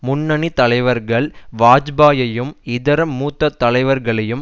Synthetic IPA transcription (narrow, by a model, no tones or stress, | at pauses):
mʊnːɐnit̪ɐlɐɪʋɐɾɣɐɭʋaːd͡ʒbaːjɐjɯmɪðɐɾɐmːuːt̪ːɐt̪ːɐlɐɪʋɐɾɣɐɭɐjɯm